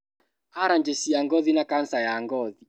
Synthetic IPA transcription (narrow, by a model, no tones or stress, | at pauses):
aɾand͡ʒesiaŋɡɔðinakansajaŋɡɔði